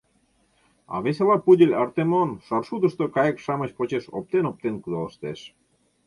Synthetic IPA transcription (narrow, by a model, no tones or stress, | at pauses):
ɑ̰βes̬elɑpudʲelʲɑrt̪emonʃɑrʃud̪əʃt̪okɑjekʃɑmət͡ɕpot͡ɕeʃo̰p̚t̪enop̚t̪enkud̪ɑləʃt̪eʃ